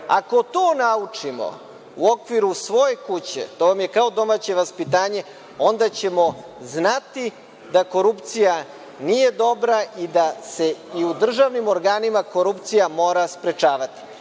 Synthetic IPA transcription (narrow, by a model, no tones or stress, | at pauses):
a̰ko̞t̪oːnaut͡ʂimo̞̰ | uo̞kʋiɾusʋo̞je̞kut͡ɕe̞̰t̪oʋamje̞kao̞d̪o̞maːt͡ɕe̞ʋaspit̪aːɲe̞ | o̞nd̪at͡ɕe̞mo̞znat̪i | d̪ako̞ɾupt̪sija | nije̞d̪o̞bɾaʔid̪ase̞iud̪r̩ʒaʋnimo̞ɾɡaːnimakoɾupt̪sijamo̞ːɾaspɾe̞t͡ʃaːʋat̪i̥